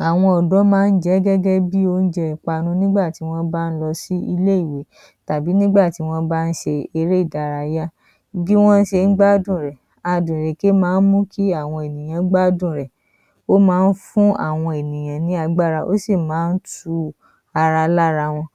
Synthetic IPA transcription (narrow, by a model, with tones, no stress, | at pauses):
a˨w̃ɔ̃˧ɔ˨dɔ˨˦mãː˦n̩˦d͡ʒɛ˨˦ɡɛ˦ɡɛ˦bi˦o˧n̩˦d͡ʒɛ˧i˨k͡pa˧nũ˧nĩ˦ɡ͡ba˦˨ti˨˦w̃ɔ̃˦ba˦˧n̩˦lɔ˧si˦i˧le˦i˦˨we˨˦ | ta˨bi˨˦nĩ˦ɡ͡ba˦˨ti˨˦w̃ɔ̃˦ba˦˧n̩˦ʃe˧e˧ɾe˦i˦˨da˨ɾa˧ja˦ | ɡi˦w̃ɔ̃˦n̩˦ʃe˧n̩˦ɡ͡ba˦dũ˦˨ɾɛ˨ | a˨dũ˨ɾe˨ke˦mãː˨˦n̩˦mũ˦kʰi˦a˦˨w̃ɔ̃˧e˨nĩ˨j̃ã˨˦ɡ͡ba˦dũ˦˨ɾɛ˨ | o˦mãː˨˦n̩˦fũ˦a̰˦˨w̃ɔ̃˧e˨nĩ˨j̃ã˨nĩ˨˦a˧ɡ͡ba˦˨ɾa˧ʔo˦si˦˨mãː˨˦n̩˦tu˧ | a˧ɾa˧la˦ɾa˧w̃ɔ̃˧